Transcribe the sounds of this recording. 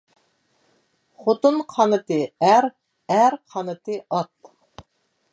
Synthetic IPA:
χot̪unqʰɑnɨt̪ɨæɾ | æɾqʰɑnɨt̪ɨʔɑt̪

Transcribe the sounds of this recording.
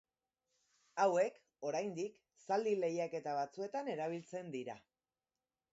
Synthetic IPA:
awe̞k | o̞ɾajnd̪ik | sald̪ile̞jake̞t̪aβ̞at͡sue̞t̪ane̞ɾaβ̞ilt͡se̞nd̪iɾa

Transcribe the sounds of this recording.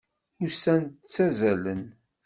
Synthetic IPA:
ʊsænət͡sːæzælən

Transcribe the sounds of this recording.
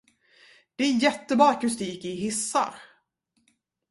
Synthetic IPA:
d̪̥ɛæɾjɛt̪ːəbɑːkɵst̪iːkɪɦɪsːa̰ɾ

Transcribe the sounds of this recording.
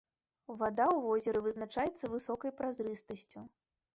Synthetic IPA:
vad̪awvɔzʲɛɾɨvɨznat͡ʂajɛt̪sːɐvɨsɔkɐjpɾazɾɨst̪ɐsʲt͡sʲu

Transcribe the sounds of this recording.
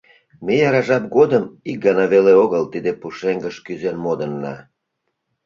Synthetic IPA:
mejɑɾɑʒɑp̚ɡod̪əmik̚ɡɑnɑβeleoɣəlt̪id̪epuʃeŋɡəʃkyzenmod̪ənːɑ̰

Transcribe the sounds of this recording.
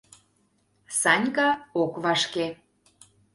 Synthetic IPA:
sɑnʲkɑokβɑʃke

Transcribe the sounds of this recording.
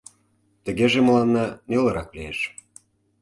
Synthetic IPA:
t̪ə̆ɣeʒeməlˠɑnːɑnelə̆ɾɑklieʃ

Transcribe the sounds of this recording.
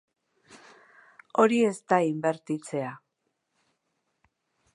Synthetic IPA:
o̞ɾie̞st̪aimbe̞ɾt̪it͡se̞a

